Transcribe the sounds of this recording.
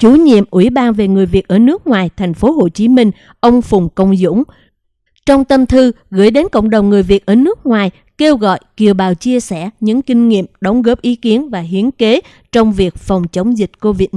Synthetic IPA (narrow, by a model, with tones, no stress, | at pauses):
t͡ɕu˧˦ɲḭ˧˨əmʔwḭ˧˩ɓaː˧nve˨˩ŋɨ˨˩əjvi˨˩ət̚ʔəː˧˩nɨ˦˥ək̚ŋwaː˨˩jt̪ʰɛ˨˩jŋ̟fo˨˦ɦo˧˨˩t͡ɕi˨˦mï˧ŋ̟ | ʔə˧wŋ͡mfʊ˨˩ŋ͡mkə˧wŋ͡mzʊ̰˧˥ŋ͡m | t͡ɕɔ˧wŋ͡mt̪ə˧mt̪ʰɨ˧ | ɣɨ̰˧˩jɗe˨˦nkə̰˧˨wŋ͡mɗə˨˩wŋ͡mŋɨ˨˩əjvi˨˩ət̚ʔəː˧˩nɨ˦˥ək̚ŋwaː˨˩j | ke˧wɣɔ̰˧˨jki˨˩əwɓaː˨˩wt͡ɕi˧əsɛ̰˧˩ɲɨ̰˧˥ŋkï˧ŋ̟ŋḭ˧˨əmɗə˨˦wŋ͡mɣəː˦˥p̚ʔi˨˦ki˨˦ənvaː˨˩ɦi˨˦ənke˨˦ | t͡ɕɔ˧wŋ͡mvi˨˩ək̚fɔ˨˩wŋ͡mt͡ɕə˨˦wŋ͡mzï˨˩t̟̚ko˧vi˨˦˥t̚